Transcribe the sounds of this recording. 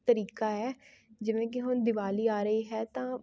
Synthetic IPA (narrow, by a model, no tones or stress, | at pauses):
t̪əɾiːkaːɛːd͡ʒɪʋẽːk̬ɪɦʊnd̪ɪʋaːliːaːɾəiːɦɛːt̪ãː